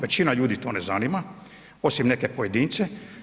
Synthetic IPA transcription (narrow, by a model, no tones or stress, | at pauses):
ʋet͡ɕinaʎuːd̪it̪o̞ːnezanima | o̞simnekepojed̪iːnt̪se